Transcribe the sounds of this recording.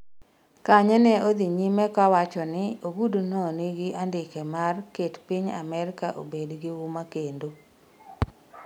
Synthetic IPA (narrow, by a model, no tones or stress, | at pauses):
kaɲɛnɛod̪iɲimɛkawat͡ʃɔnɪoɡudonɔnɪɡɪʔandɪkɛmarketpɪɲa̰mɛɾɪkaʔo̰bedɡɪwumakendo